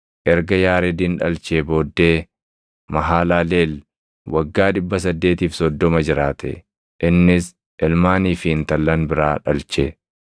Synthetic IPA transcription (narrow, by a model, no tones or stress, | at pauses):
ʔɛɾɡɐjaːɾɛd̪iːnᶑɐlt͡ʃeːbo̞ːd̪ːe̞ː | mɐɦaːlaːleːl | wɐɡːaːᶑɪbːɐs̬ɐd̪ːe̞ːt̪iːfsɔd̪ːɔmɐd͡ʒɪɾaːt̪ʰɛ̰ | ʔɪnːɪs | ʔɛlmaːniːfɪɪnt̪ɐlːɐnbɪɾaːᶑɐlt͡ʃe